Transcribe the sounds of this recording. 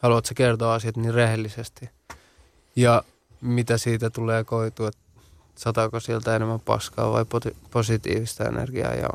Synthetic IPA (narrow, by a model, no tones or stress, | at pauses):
hɑluɑt̪sekert̪oːɑsiɑt̪niːrrehelːˑisest̪i | jɑ | mit̪æsiːt̪æt̪uleːkoit̪uːet̪ | sɑt̪ɑkosielt̪æenemːæpɑ̰skɑ̰ːʋɑ̰ipoiposit̪ḭːʋist̪ɑḛnḛrɡ̥iɑ̰ːjɑ̰